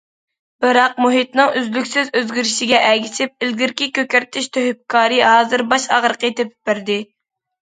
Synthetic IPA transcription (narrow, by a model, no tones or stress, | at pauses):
b̥ɨɾɑq̚muɦit̪nɨŋʔyzlykʲsɪzøzɡʲiɾɪʃiɡʲɛʔɛkʲisɪp̚ɪlɡʲiɾkʲikʲøkʲɛɾt̪ʰɪʃt̪ʰøhyp̚kʰɑːɾɨɦɑːzɨɾbɑʃɑ̰ʁɾəqət̪ʰepɪ̥p̚bæɾd̪ɪ